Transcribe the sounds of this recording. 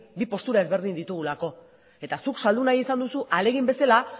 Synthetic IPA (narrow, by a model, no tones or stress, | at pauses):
bipo̞st̪uɾae̞zβe̞ɾð̞ind̪it̪uɣulako̞ | e̞t̪asuksald̪unajisand̪usuʔale̞ɣimbe̞sala